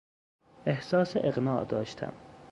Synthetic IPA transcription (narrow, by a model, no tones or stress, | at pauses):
ehsɒːseʔeɣnɒːd̪ɒ̰ːʃt̪ʰæ̰m